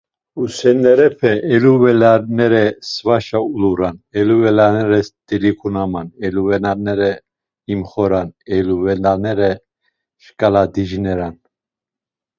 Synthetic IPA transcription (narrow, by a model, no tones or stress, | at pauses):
usɛnɛɾɛpʰɛʔɛluvɛlaɾnɛɾɛsvaʃauluɾanɛluvɛlanɛɾɛsd̪ɛlikʰunamanɛluvɛnaɾnɛɾɛ | imχɔɾanɛluvɛnanɛɾɛ | ʃkʼalad̪iʒinɛɾan